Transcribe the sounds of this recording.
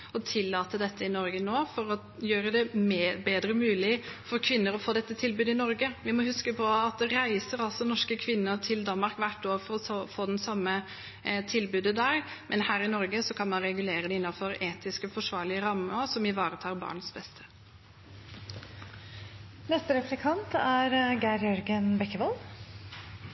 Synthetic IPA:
ɔt̪ʰɪlːɑːt̪əd̪ɛt̪ʰːəɪnɔɾɡənoːfɔɾɔ | jøːɾəd̪ɛmbeːd̪ɾəmʉːlɪfɔɾkʰʋɪnːəɾɔfoːd̪ɛt̪ːət̪ʰɪlbʉːd̪ɪnɔɾɡəʋɪmɔhʉskəpʰɔɑt̪̚d̪ɛɾæɪsəɾɑlsɔnɔʂkəkʰʋɪnːəɾt̪ʰɪld̪ɑnmɑɾkʋæʈːoːfɔɾɔsɔfoːd̪ɛnsɑmːə | t̪ʰɪlbʉːd̪əd̪æɾmʔɛnhæːɾɪnɔɾɡəsɔkʰɑnmɑnɾɛɡʉleːɾəd̪ɛɪnːɑfɔɾeːt̪ɪskəfɔʂʋɑːɾɭɪəɾɑməsɔmɪʋɑːɾət̪ʰɑːɾbɑ̰ːɳəsbɛst̪ʰə̥ | nɛst̪əɾɛflɛkʰɑnt̪æɾɡæɾjɔɾɡənbɛkːəʋɔl

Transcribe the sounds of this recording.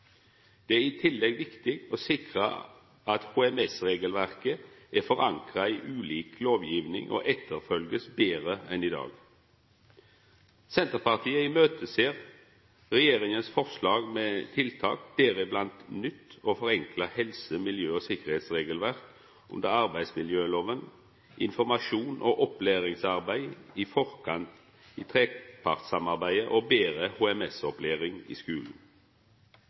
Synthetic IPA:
d̪̥ɛːæːʁɪːt̪ʰɪlːɛɡʋɪkt̪ɪɡoːsɪkʁə̰ | ɑt̪huːɛmɛsʁeːɡəlʋæʁkə | æfɔʁɑŋkʁɑiːʔʉːliːkloːʋjiːʋnɪ̰ŋʔo̰ːʔɛt̪ʰːəʁfœlɡəsbeːʁəɛniːd̪ɑ̰ːɡ | sɛnt̪əʁpɑʁt̪ʰiːəɪmøːt̪ʰəseːʁ | ʁɛjeːʁɪŋənsfɔʁslɑːɡmeːt̪ʰɪlt̪ʰɑ̰ːk̚d̪̥eːɾɪblɑnt̪nʏt̪ːoːfɔʁɛŋkʰləhɛlsəmɪljøːoːsɪkəʁheːt̪sʁeːɡəlʋæʁk | ʔʉ̰nd̪əʁɑʁbæɪsmɪljøːloːʋən | ʔɪnfɔʁmɑʃuːnʔoːʔɔpleːʁɪŋsɑʁbæɪiːfɔʁkʰɑnt̪ | iːt̪ʰʁeːpʰɑʁt̪sɑmɑʁbæɪəʔoːbeːʁəhuːɛmɛsɔpleːʁɪŋḭːskʉːln̩

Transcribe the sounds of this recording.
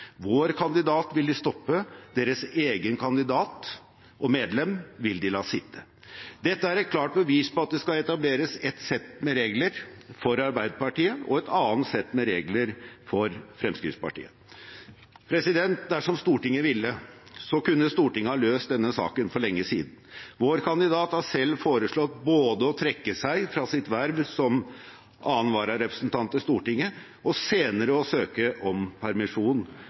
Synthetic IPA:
ʋoːɾkʰɑnd̪ɪd̪ɑːt̪ʋɪld̪ɪst̪ɔpːəd̪eːɾəseːɡənkʰɑnd̪ɪd̪ɑːt̪ | ʔɔmeːd̪lɛmʋɪld̪ɪlɑːsɪt̪ʰːə̥ | d̪ɛt̪ːəæɾɛt̪̚kʰlɑːʈ̚bəʋiːspɔɑt̪̚d̪ɛskɑɛt̪ɑbleːɾəsɛt̪sɛt̪ːmɛɾeːɡləɾfɔɾɑɾbæɪd̪əpɑʈiːəʔɔ̰ɛt̪ɑːnt̪sɛt̪ːmɛɾeːɡləɾfɔɾfɾɛmskɾɪ̰ftspɑ̰ʈḭːə | pʰɾɛsɪd̪ɛnt̪̚d̪æʂɔmst̪uːʈɪŋːəʋɪlːəsɔkʉnːəst̪uːʈɪŋːəhɑløːst̪̚d̪ɛnːəsɑ̰ːkənfɔɭɛŋːəsiːd̪n̩ʋoːɾkʰɑnd̪ɪd̪ɑːt̪hɑsɛlːfoːɾəʂɭɔt̪boːd̪əɔt̪ʰɾɛkːəsæɪfɾɑsɪt̪ʋæɾʋsɔm | ʔɑːənʋɑːɾɑɾɛpɾə̥snt̪ʰɑnt̪əst̪uːʈɪŋːə | ɔseːnəɾəɔsøːkəʔɔmpʰæɾmɪʂuːn

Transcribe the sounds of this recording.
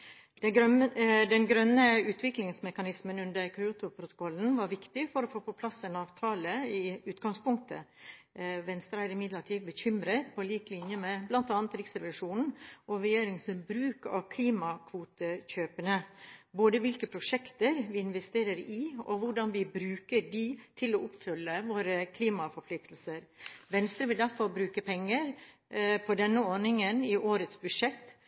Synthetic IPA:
d̪ɛnɡɾœnːəʉːt̪ʰʋɪklɪŋsmɛkɑnɪsmənʉnd̪əɾkʰɾɪut̪ʊpʰɾʊt̪ʊ̥kʰɔlːn̩ʋɑɾʋɪkt̪ɪfɔɾɔfoːpɔpʰlɑsːɛnɑːʋt̪ʰɑːləɪʉːt̪ɡɑŋspʊŋk̚t̪ʰə̰ | ʋɛnst̪ɾæɪɾɪmɪd̪ləʈʰiːʋbəçʏmɾət̪pʰɔliːklɪnjəmɛblɑnt̪ɑːnət̪ɾɪksɾɛʋɪʂuːnn̩ʔɔɾɛjeːɾɪŋsəbɾʉːkɑ̰kʰliːmɑkʰʋuːt̪əçøːpənəboːd̪əʋɪlkəpʰɾʊʂɛkt̪əɾʋɪɪnʋɛst̪eːɾəɾɪɔʋʊɖɑnʋɪbɾʉːkəɖɪt̪ʰɪlɔʊpfʏlːəʋoːɾəkʰliːmɑfɔɾpʰlɪk̚t̪l̩səɾʋɛnst̪ɾəʋɪld̪æɾfɔɾbɾʉːkəpʰɛŋːəɾ | pʰɔd̪ɛnːəɔɳɪŋənɪʔoːɾət̪sbʉʂɛt̪ː

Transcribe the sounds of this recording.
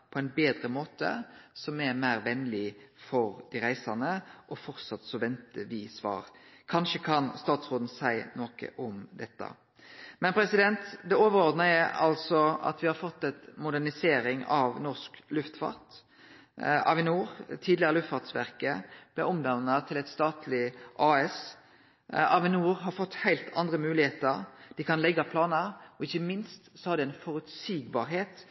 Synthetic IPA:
pʰɔɛnbeːd̪ɾəmoːt̪ə̰sɔmæɾmæɪɾʋɛnlɪfɔɾd̪iɾæɪsɑnəʔɔfɔɾt̪sɑt̪ːsɔʋɛnt̪əʋɪsʋɑ̰ːɾkʰɑnʃəkʰɑnst̪ɑːt̪sʁoːd̪n̩sæɪnoːkə̰ʔɔmd̪ɛt̪ːɑ̰ | mɛnpʰɾɛsɪd̪ɛnt̪d̪ɛoːʋəɾɔʁd̪nəjæɑ̰lsɔɑ̰t̪ʋɪhɑɾfɔt̪ːɛt̪mʊd̪æʁnɪseːɾɪŋɑ̰ʋnɔʁsklʉft̪fɑ̰ʁt̪ | ɑ̰ʋɪnuːɾt̪ʰiːd̪lɪəʁəlʉft̪fɑʁt̪sʋæ̰ʁkəb̥lɛɔmd̪ɑnːət̪ʰɪlɛt̪st̪ɑːt̪ʰlɪʔɑːɛs | ɑʋɪnuːɾɦɑɾfɔt̪ːhæɪlt̪ʰɑnd̪ʁəmʉːlɪheːt̪əɾd̪̥ɪkʰɑnlɛɡːɑpʰlɑːnəɔɪçːəmɪnst̪sɔhɑɾd̪ɪæɪnfɔɾʉt̪syːɡbɑ̰ːɾɦeːt̪

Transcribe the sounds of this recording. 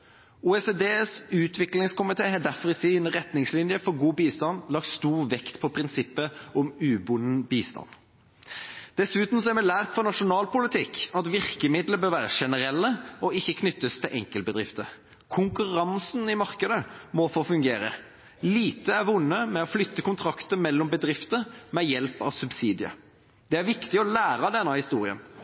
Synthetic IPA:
uːɛseːd̪eːsʉːt̪ʰʋɪklɪŋskʊmɪt̪ʰeːhɑd̪æɾfɔɾɪsɪnʁɛt̪nɪŋslɪnjəfɔɾɡuːbiːst̪ɑnlɑk̚t̪st̪uːʁʋɛkt̪pʰɔpʰʁɪnsɪpːəɔmʉːbʊnəbiːst̪ɑ̰n | d̪̥ɛsʉːt̪n̩sɔæɾmɛlæːʁt̪fɔʁnɑʂʊnɑːlpʊlɪt̪ʰɪkɑt̪ʋɪʁkəmɪd̪ləbøːɾʋæːʁəʂɛnəɾɛlːəɔɪçːəkʰnʏt̪ːəst̪ʰɪlʔɛ̰ŋkəlbəd̪ɾʁɪft̪ə | kʰʊŋkʉʁɑnsnɪmɑʁkəd̪əmɔfoːfʉŋɡeːɾə̰ | liːt̪əæɾʋʊnːəmɛɔflʏt̪ːəkʊnt̪ʰɾɑkt̪əmɛlːɔmbəd̪ɾɪft̪əmɛjɛlpɑ̰ʋsʉbsiːd̪ɪə̰ | d̪̥ɛæɾʋɪkt̪ɪɔlæːɾɑd̪ɛnːɑhɪst̪uːɾɪə̰n

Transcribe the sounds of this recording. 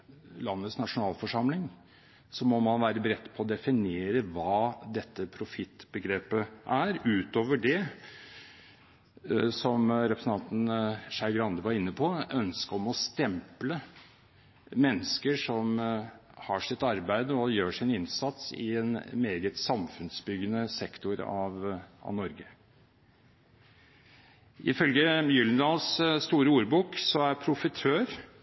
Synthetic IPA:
lɑnːət̪snɑʂʊnɑːlfɔʂɑmlɪŋ | sɔmɔmɑnʋæːɾəbɾɛt̪ːpʰɔːd̪ɛfɪneːɾəʋɑːd̪ɛt̪ːəpʰɾʊfɪt̪ːbəɡɾeːpəʔæɾʉːt̪oːʋəɖɛ | sɔmɾɛpɾəsn̩t̪ʰɑnt̪n̩ʂæɪɡɾɑnd̪əʋɑɾɪnːəpʰɔœnskəɔmɔst̪ɛmplə | mɛnːəskəʂɔm | hɑʂɪt̪ɑɾbæɪd̪əɔjøːʂɪnɪnsɑt̪sɪ̰ɛnmeːɡət̪sɑmfʉnsbʏɡənəsɛkt̪ʊɾɑ̰ʋɑ̰ʋnɔɾɡə | ʔɪfœlɡəjʏlənd̪ɑːlsst̪uːɾəuːɾbuːksɔæɾpʰɾʊfɪt̪ʰøːɾ

